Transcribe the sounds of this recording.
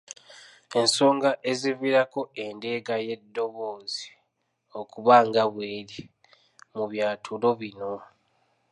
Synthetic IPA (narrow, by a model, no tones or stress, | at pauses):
e̞nso̞ːŋɡaʔe̞ziviɾako̞e̞nde̞ːɡaje̞dːo̞βoːzi̥ | o̞kuβaːŋɡaβwe̞ːɾi | muβjaːtʰulo̞βino̞